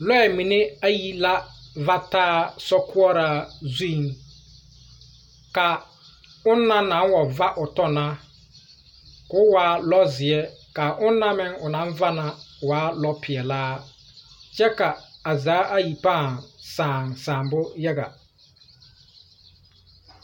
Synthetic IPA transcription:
lɔ˦ɛ˨mĩ˨ne˦a˦ji˨la˦va˦taː˦sɔ˦kʰʊ˦ɔ˦ɾa˦zũ˦˨ŋ | ka˨ | ʊ˦nːã˦nã˨˦wɔ˨va˦ʔʊ˨tɔ˦nã˦ | kʊ˦waː˨˦lɔ˦zɪ˨ɛ˦ka˨ʔʊ˦nː˦ã˦mɪ̃˦ŋʊ˨nã˦ɱ˦va˦nã˨waː˨˦lɔ˦pʰɪ˨ɛ˨laː˦ | t͡ʃɛ˦ka˨a˨zaː˨˦ʔa˦ji˨pã˦˨sãː˨ŋsãː˨mbʊ˦jɛ˦ɡa̰˨

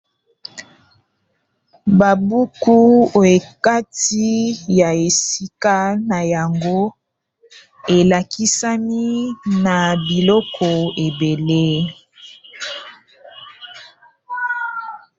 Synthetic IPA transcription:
ba˨bu˦ku˦o˨e˨ka˦ti˦ja˨e˨si˦ka˦na˨ja˨ŋɡo˦ | e˨la˨ki˦sa˦ni˦na˨bi˨lɔ˦kʰɔ˨e˨be˨le˦

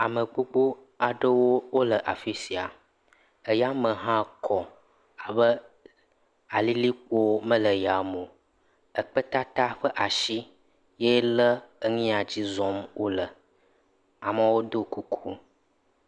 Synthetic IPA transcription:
a˨mə˨ɡ͡bo˦ɡ͡bo˦ | a˨ɖə˦wo˦wo˦lə˨ʔa̰˨fi˦si˨a˨ | ə˦ja˦mə˨ɦã˦kʰɔ˨ | a˨bə˦ | a˨li˦li˦k͡po˦mə̃˦lə˨ja˨mõ˨ | ə˨k͡pə˦t̪a˦t̪a˦ɸə˦ʔa˨ʃi˦ | je˦lə˦ə˦ŋĩ˦a˨d͡ʑi˦zɔ̃˦mwo˦lə˨ | a˨mə˨wo˦d̪o˦ku˦kʰu˦

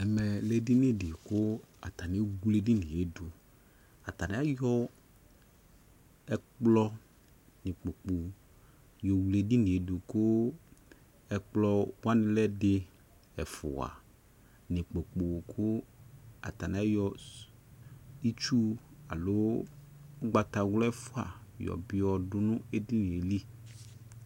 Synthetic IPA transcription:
ɛ˨mɛ˨lɛ˦di˦nɪ˦dɪ˨kʊ˦a˨t̪a˨nɪ˦ɡu˦le˦dɪ˦nɪ̃˨e˦du˨ | a˨t̪a˨nɪ˦a˦jɔ˦ | ɛ˦k͡plɔ˦ | nɪ̃˨k͡po˨k͡po˨ | jɔ˨wle˨di˦nɪ̃˨e˨du˨kʊ˦ | ɛ˦k͡plɔ˦wa˦nɪ̃˦lɛ˦dɪ˦ | ɛ˨fʊ̰˨a̰˨ | nɪ̃˨k͡po˨k͡po˨kʰʊ˦a̰˨t̪a˨n˨a˦jɔ˦ | i˦t͡ʃu˦a̰˨lo˦ | ʊ˦ɡ͡ba˨t̪a˨wlɔ˦ɛ˦fʊ˦a̰˨jɔ̰˨bɪ˦ɔ˨dʊ˦nʊ̃˦e˨di˦nĩ˨e˨li˦

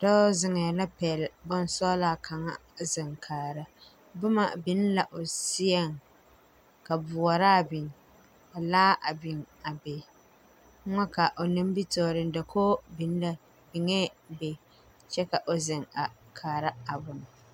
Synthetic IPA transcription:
d̥ɔ˦zɪ˨ŋɛ˨la˦pɛ˨lbʊ˦n˦sɔː˦laː˦˨kʰa˨ŋa̰˦zɪ˨ŋkʰaː˨ɾa˦ | bʊ˦ma̰˨bɪ˦n˦la˨ʔo˨si˦ɛ˦ŋ | ka˨bʊ˨ɔ˨ɾa˦˨bɪ˨ŋ | a˨laː˦ʔa˨bɪ˨ŋ | a˨be˨˦ | ŋɔ˦ka˨ʔo˨nɪ˦m˦bi˦tɔː˨ɾɪ˨n˦dɛ˨kʰoː˦bi˨˦n˦la˦ | bɪ˨ŋɛ˦be˨ | t͡ʃɛ˦ka˨ʔo˨zɪ˨ŋa˨kʰaː˨ɾa˦a˨bʊ˨n˨

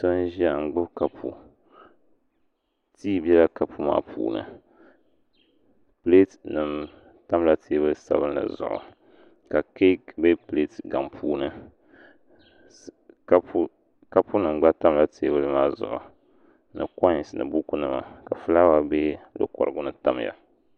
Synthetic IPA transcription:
sa˦nʒa˨ŋ͡m̩˨ɡ͡bɨ˦bka˨pʰṵ˨ | tiː˦bi˦ɛ˦la˦ka˨pu˦ma̰ː˦pʰṵː˨nɨ̰˨ | ple˦tnɨ˨m | ta˦mla˦tʰeː˦bɨ˦sa̰˦βɨ˦n˦la̰˨zʊ̰˨ʔʊ̰˨ | ka˨ke˦kbe˦ple˦tɡa˨mpʰuː˦nɨ˦ | a˦pu˦ | ka˦pu˦nɨ˨m˨ɡ͡ba˦ta˦mla˦tʰeː˦βɨ˦lɨ˦maː˦zʊ̰˨ʔʊ̰˨ | nɨ̰˨kɔ˦˨snɨ̰˨bu˦ku˦nɨ˦ma̰˨ka˨fɨ˦la˦wa˦bɛ˦lo̰˦kɔ̰˨ɾɨ˨˦ɡʊ˦nɨ˨ta˦m˨ja̰˨

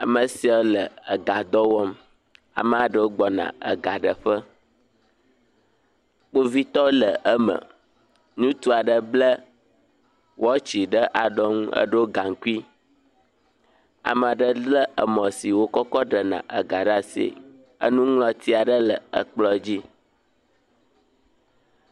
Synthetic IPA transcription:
a˨mə˨si˦ɔ˦lə˨ə˨ɡa˨d̪ɔ˦wɔ˦m | a̰˨mə˨a˨ɖə˦wo˦ɡ͡bɔ˨nã̰˨ə̰˨ɡa˨ɖə˨ɸə˦ | k͡po˦vi˦t̪ɔ˦lə˨ʔə˦mə̰˨ | nũ˦t̪u˦a˨ɖə˦blə˦ | wɔ˦t͡ɕi˨ɖə˦ʔa˨ɖɔ˦ŋũ˦ə̰˦ɖo˦ɡa˨ŋ˨ku˦i˦ | a̰˨m˨a˨ɖə˦lə˦ʔə˨mɔ̃˨si˨wo˦kɔ˦kɔ˦ɖə˨nã̰˨ʔə˨ɡa˨ɖa˦sḭ˨ | ə̰˦nũ˦ŋlɔ̃˨t̪i˦a˨ɖə˦lə˨ə̰˨k͡plɔ˦d͡ʑi˦

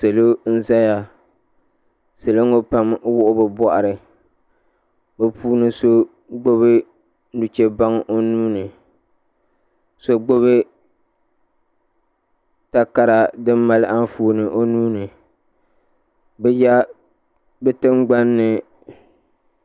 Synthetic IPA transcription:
se˨lo˦n̩˦za˦ja˨ | se˨lo˦ŋo˦pa˦m˦wʊ˦ʔʊ˦bɨ˨bɔ˦ʔa˨ɾɨ˨ | bɨ˨pʰuː˦nɨ˦so˦ | ɡ͡bo˦βɨ˦ | nu˨t͡ʃe˦ba˦ŋʔo˦nuː˦nɨ˨ | so˦ɡ͡bo˦βɨ˦ | ta˦ka˦ɾa˨dɨ˦mːa˦lʔa˦n˦fuː˦˨nɨ˨ʔo˦nuː˦nɨ˨ | bɛ˦ja˦ | bɛ˦tɨ˦mɡ͡ba˦nːɨ˨

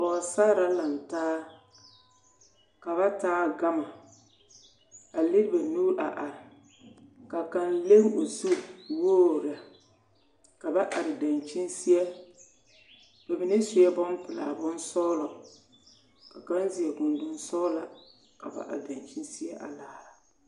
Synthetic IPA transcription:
ɔː˨saː˦ɾa˨la˨n˨taː˦ | ka˨βa˦taː˦ɡa˦ma˨ | a˨lɪ˦ɾɪ˦ba˨nuː˦ɾʔa˨ʔa˨ɾɪ˨ | ka˨ka˦nle˦mo˨zu˦woː˦˨ɾa˨ | ka˨ba˦ʔa˨ɾɪ˨da˨nt͡ʃɪ˦nsi˦ɛ˦ | b̥a˨bɪ˨nɪ˦sʊ˨jɛ˦bɔ˦n˦pɪ˨la̰˨bʊ˦nsɔ˦lɔ˨ | ka˨ka˦nzi˨ɛ˨ɡʊ˨ndʊ˦nsɔ˦la˨ | ka˨ba̰˨ʔa̰˨da˨nt͡ʃi˦nsi˦ɛ˦ʔa̰˨laː˨

